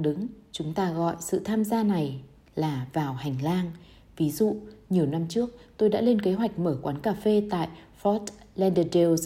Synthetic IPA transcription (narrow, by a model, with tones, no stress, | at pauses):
ɗɨ˨˦ŋt͡ɕʊ˨˦ŋ͡mt̪aː˧ɣɔ̰˧˨jsɨ̰˧˨t̪ʰaː˧mzaː˧na˨˩j | laː˨˩vaː˨˩wha˨˩jŋ̟laː˧ŋ | vi˨˦zṵ˧˨ɲi˨˩əwna˧mt͡ɕɨ˦˥ək̚t̪o˧jɗa̰ː˧˥le˧nke˨˦ɦwa˨˩jk̟̚məː˧˩kwaː˨˦nkaː˧˩fe˧t̪a̰ː˧˨j | fɔ˦˥t̚lɛ˧nɗə˧˩ɗe˧wz